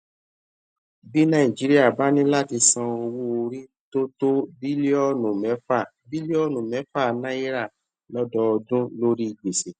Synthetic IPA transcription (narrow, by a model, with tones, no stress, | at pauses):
bi˦nã˦ĩ˨d͡ʒi˨˦ɾi˦a˦˨ba˦nĩ˦la˦ti˧sã˧o˧wo˦o˧ɾi˦ | to˦to˦bi˦le˦ɔ˦˨nũ˨mɛ˨˦fa˦˨ | bi˦le˦ɔ˦˨nũ˨mɛ̃˨˦fa˦˨nã˦i˦ɾa˦˨ | lɔ˦dɔ˦ɔ˧dũ˦lo˦ɾi˦i˧˨ɡ͡be˨se˨